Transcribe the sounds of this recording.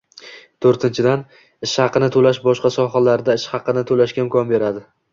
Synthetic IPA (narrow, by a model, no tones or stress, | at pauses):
t̪ʰoɾt̪ʰɪnt͡ʃʰɪd̪an | ɪʃhɑqɨnɪt̪ʰolaʃbɒʃqɑsɒχalaɾd̪aɪʃhɑqʰɨnɪt̪ʰolaʃkʲaɪmkʰʲɒnbe̞ɾad̪ɪ